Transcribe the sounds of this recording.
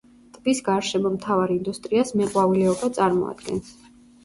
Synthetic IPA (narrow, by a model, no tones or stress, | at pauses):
t̪ʼbisɡaɾʃɛmɔmt̪ʰavaɾind̪ust̪ʼɾiasmɛqʼwavilɛɔbat̪sʼaɾmɔ̰a̰d̪̥ɡɛ̰ns